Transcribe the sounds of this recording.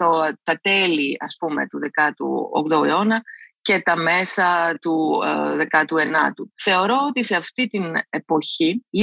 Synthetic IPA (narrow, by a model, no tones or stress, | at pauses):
ot̪ɐt̪e̞liɐ̰spume̞̰t̪uðe̞kɐt̪ṵo̰kt̪oḛo̞nɐce̞t̪ɐme̞sɐt̪uðe̞kɐt̪ue̞nɐ̰t̪uθe̞o̞ɾo̞ot̪ise̞ɐft̪it̪ine̞po̞çi